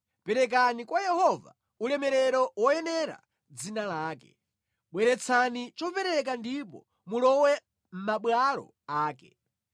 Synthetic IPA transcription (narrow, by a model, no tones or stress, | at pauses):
pɛɾɛk̬anikwajɛhɔva̰ | ulɛmɛɾɛɾɔwɔjɛnɛɾa̰ | d͡zinalaːkɛ̰ | ɓwɛɾɛt͡sʰanit͡ʃɔpɛɾɛk̬andipɔ̰ | mulɔwɛ | m̩maɓwalɔ̰ | aːkɛ̥